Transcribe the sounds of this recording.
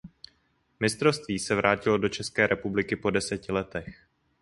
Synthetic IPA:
mɪst̪ɾofst̪viːsɛvɾaːcɪlo̞do̞t͡ʃɛskɛːɾʔɛpublɪkɪpo̞dɛsɛcɪlɛt̪ɛx

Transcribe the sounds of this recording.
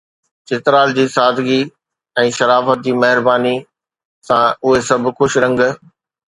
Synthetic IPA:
t͡ɕɪt̪ɾaːld͡ʑiːsaːd̪ʱɡi | ɛ̃ːʃɐɾaːfət̪̚d͡ʑiːmɐɦɪɾbaːni | sãʊɦesɐbʱxʊʃɾɐ̃ŋɡ

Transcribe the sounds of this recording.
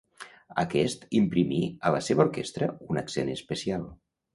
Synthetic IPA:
ə̰kɛst̪impɾimiələseβauɾkest̪ɾəunaksenəspəsialˠ

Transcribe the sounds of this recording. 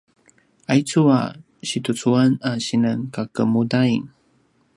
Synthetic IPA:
ajt͡sua̰ | ɕitut͡suanaɕinankakəmudaiŋ

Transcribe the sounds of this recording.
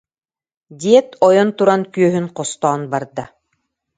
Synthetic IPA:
d̪ʲiɛt̪ʰɔjɔnt̪uɾankyœɦyŋqɔst̪ɔːnbaɾd̪a

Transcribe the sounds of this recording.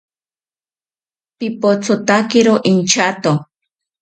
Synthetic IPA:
pipot͡sot̪akiɾoʔint͡ʃat̪o

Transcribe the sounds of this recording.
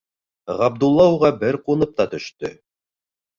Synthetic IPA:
ʁɑb̚d̪ulˠːɑuʁɑbɘɾqunɤp̚t̪ɑt̪ɵ̆ʃt̪ɵ̰

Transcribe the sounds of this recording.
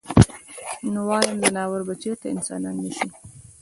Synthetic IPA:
nowɑlamd̪anɑwaɾbat͡ʃet̪aɪ̰nsɑ̰nɑnːəʃi

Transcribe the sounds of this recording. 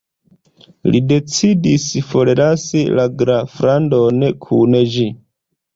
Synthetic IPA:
lidet͡sidisfoɾeɾasilaɡɾafɾandonekʰuned͡ʒi

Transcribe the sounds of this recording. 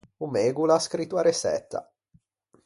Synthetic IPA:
umeɡulaskɾit̪ːuaɾesɛ̰t̪ːa̰

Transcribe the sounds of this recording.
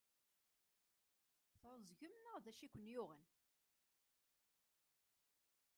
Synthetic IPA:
θɾˤzʝʊmnəʁðæʃikʷːənjʊʁən

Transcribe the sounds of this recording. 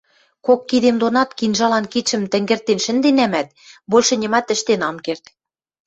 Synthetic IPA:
kokːid̪emd̪onɑt̪kinʒɑlɑnkit͡ɕə̆mt̪ə̆ŋɡɘ̆rt̪ːenʃɘ̆nd̪enæmæt̪̚ | bolʲʃɤ̆nʲɘ̆mɑt̪ə̆ʃt̪enɑmkert̪

